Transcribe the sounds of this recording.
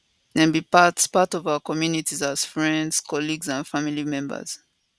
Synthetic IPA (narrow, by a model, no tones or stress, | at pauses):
nɛ̃nbipatspatɔvaʊəkɔmjunitizaz̥fɹɛ̃ndz̥kʰɔliɡzãnfamilimɛ̃mbə̰z̥